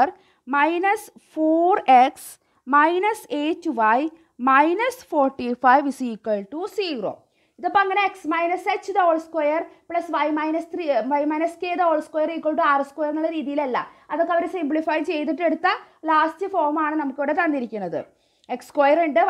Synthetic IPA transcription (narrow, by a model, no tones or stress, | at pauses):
r | mɐjnɐsfoːreks | mɐjnɐseːtːʋɐj | mɐjnɐsfoːrʈːifɐjʋsiːkːɐɭʈusiːɡro̰ː | iðɐpːoɐŋːɐne̞eksmɐjnɐsekt͡ɕːɨd̪oːɭskwojɐrpɭɐsʋɐjmɐjnɐst̪ʰriʋɐjmɐjnɐskeːd̪oːɭskwojɐɾikːoɳɖɨaːrskojɐrŋɐɭɽeɾiːðijilelːɐ̰ɐðokːeɐʋɐɾesimbɭifɐjt͡ɕe̞jt̪̬iʈːe̞ɽut̪ːɐlaːstɨfoːrmaːɳɨnɐmukːiʋiɽet̪ɐnːiɾikʲːunːɐðɨ̰ | ekskwojɐreɳɖɨ